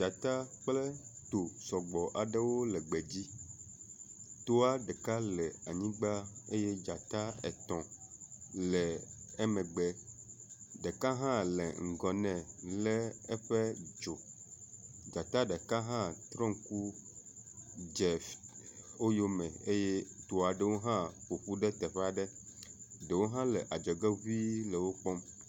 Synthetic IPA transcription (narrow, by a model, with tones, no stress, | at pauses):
d͡ʒa˨t̪a˦k͡plɛ˦t̪o˨sɔ˨ɡ͡bɔ˨ʔa˨ɖɛ˦wo˦lɛ˨ɡ͡bɛ˨d͡ʑi˦ | t̪o˦a˦ɖɛ˨ka˦lɛ˨a˨ɲĩ˦ɡ͡ba˦e˦jɛ˦d͡ʒa˨t̪a˦ɛ̰˨t̪ɔ̃˨ | lɛ˨ɛ˦mɛ̃˨ɡ͡bɛ˨ | ɖɛ˨ka˦ɦã˦lɛ̰˨ŋ̩˨ɡɔ˨nɛ̃˨lɛ˦ɛ˦ɸe˦d͡ʒo˨ | d͡ʒa˨t̪a˦ɖɛ˨ka˦ɦã˦t̪ɾɔ̃˦ŋ̩˦ku˦ | d͡ʒe˨ | o˦jo˦mɛ̃˨e˦je˦t̪o˨a˨ɖe˦wo˦ɦã˦ɸo˨ɸu˦ɖɛ˦t̪ɛ˨ɸɛ˦a˨ɖɛ˦ | ɖe˨wo˦ɦã˦le˨ʔa˨d͡ʒɛ˨ɡe˦vi˦lɛ˨wo˦k͡pɔ˦m